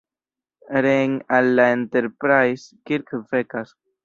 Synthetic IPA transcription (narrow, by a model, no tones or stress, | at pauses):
ɾeŋalːaente̞ɾpɾajskiɾkvekas